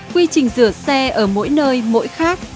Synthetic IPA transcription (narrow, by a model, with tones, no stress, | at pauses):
kwi˧t͡ɕï˨˩ŋ̟zɨ˧˩ət̚sɛ˧ʔəː˧˩mo̰˧˥jnəː˧jmo̰˧˥jxaː˦˥k̚